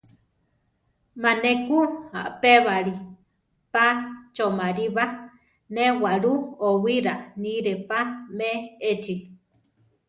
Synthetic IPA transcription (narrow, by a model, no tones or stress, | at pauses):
mãnẽkua̰ʔpeβaɾi | pat͡ʃomãɾiβa | nẽwaɾuowiɾanĩɾepameet͡ʃi